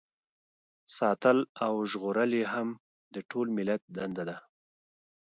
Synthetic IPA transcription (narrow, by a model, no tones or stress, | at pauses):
sɑt̪əlawʒɣoɾəleɦam | d̪əʈʰolmɪlat̪̚d̪and̪ad̪a